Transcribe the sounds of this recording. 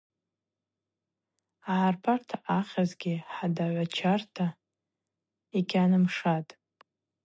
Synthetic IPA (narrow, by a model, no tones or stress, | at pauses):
aʕarpʰartʰaχʲazɡʲɪħadaʕʷat͡ʃʰartʰa | ikʲanɨmʂatʼ